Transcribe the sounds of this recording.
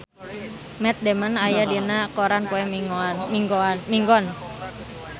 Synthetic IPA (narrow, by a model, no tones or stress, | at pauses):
mɛt̪̚demənajadinakoɾanpoɛiŋɡmiŋɡɔn